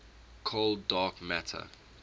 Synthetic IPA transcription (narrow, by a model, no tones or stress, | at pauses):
kʰoldɑːkmætʰə̰